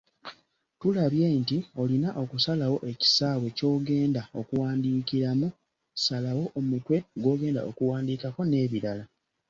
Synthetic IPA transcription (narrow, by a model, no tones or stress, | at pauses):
tulaβje̞ːntio̞linaʔo̞kusalawo̞ʔe̞ci̥saːβwe̞co̞ːɡe̞ːndao̞kuwaːndiːkiɾamu | salawo̞ʔomukwe̞ɡo̞ːɡe̞ːnda̰okuwaːndiːkako̞ne̞ːβiɾala